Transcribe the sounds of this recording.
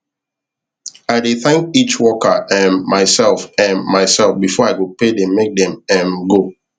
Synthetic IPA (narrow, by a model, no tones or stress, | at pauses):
aɪdeθɛ̃ŋkit͡ʃwɔkəʔɛ̃nmaɪsɛlˠfɛ̃nmaɪsɛlfbifɔaɪkupedɛ̃mmːek̚dɛ̃mɛ̃nɡo